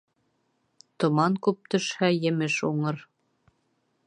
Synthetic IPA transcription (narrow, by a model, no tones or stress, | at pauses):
t̪ŏmɑŋkʉp̚t̪ɵ̆ʃhæjɘ̆mɘʃuɴɤɾ